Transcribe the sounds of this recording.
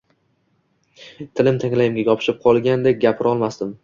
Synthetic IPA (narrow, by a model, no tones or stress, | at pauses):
t̪ʰɪlɪmt̪ʰaŋlajɪmɡʲaɡʲɒpʰɪ̥ʃɪp̚qʰɒlˠɡʲand̪ek̚ʲɡʲapʰɪɾɒlˠmasd̪ɪm